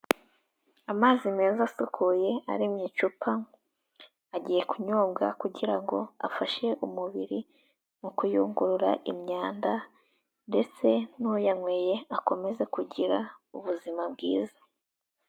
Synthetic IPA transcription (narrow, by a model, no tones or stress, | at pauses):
amaːzime̞ːzasukʰuje̞a̰ɾimɲit͡ʃupʰa | aɟiːje̞kuɲobɡakuɟiɾaŋɡo̞̰a̰faʃe̞ʔumuβiɾi | mukujṵːŋɡuɾuɾa̰ʔimɲaːnda | nde̞t͡se̞nujaŋweje̞ako̞me̞ze̞kuɟiɾauβuzimab̚ɡḭːza